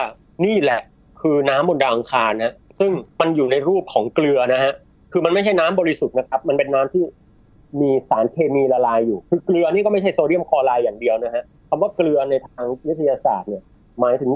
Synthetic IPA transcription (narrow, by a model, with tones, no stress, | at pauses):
a˥˩ | niː˥˩lɛ˨˩ʔ | kʰɯː˧naː˦˥mːo˧ndaː˧wʔa˧ŋkʰaː˧nːa˦˥sɯ˥˩ŋma˧njuː˨˩na˧jɾuː˥˩p̚kʰɔː˩˦ŋklɯ˧ɐna˦˥ɦa˦˥ʔ | kʰɯː˧ma˧nma˥˩jt͡ɕʰa˥˩jnaː˦˥mbɔː˧ɾi˦˥su˨˩t̪̚na˦˥kʰa˦˥p̚ma˧npe˧nːaː˦˥mt̪ʰiː˥˩ | miː˧saː˩˦nkʰeː˧miː˧la˧laː˧jːuː˨˩kʰɯː˧klɯ˧ɐniː˥˩kɔː˥˩ma˥˩t͡ɕʰa˥˩jstoː˧ɾi˥˩əmkʰɔː˧laː˧jːaː˨˩ŋdi˧əwna˦˥ɦʰa˦˥ʔ | kʰa˧mwaː˥˩klɯ˧ɐna˧jt̪ʰaː˧ŋwi˦˥t̪ʰːa˧jaː˧sa̰ː˨˩t̪̚ni˥˩ɐ | maː˩˦jt̪ʰɯ˩˦